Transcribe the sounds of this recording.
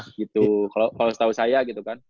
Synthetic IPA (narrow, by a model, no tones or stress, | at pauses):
ɡit̪ukalokalosə̥t̪ausajaɡit̪ukan